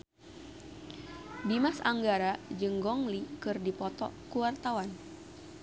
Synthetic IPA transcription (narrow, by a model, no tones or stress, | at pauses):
dimasa̰ŋɡaɾad͡ʒɨŋɡɔŋlikɨrdipɔt̪ɔ̰kuwart̪awan